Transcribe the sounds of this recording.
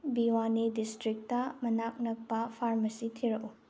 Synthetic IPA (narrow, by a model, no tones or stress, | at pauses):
biwanidistɾik̚tɐmɐnak̚nɐk̚pɐpʰaɾmɐsitʰiɾɐʔu